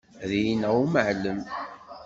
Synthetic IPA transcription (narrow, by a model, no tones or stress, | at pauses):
ðijnæuməʕləm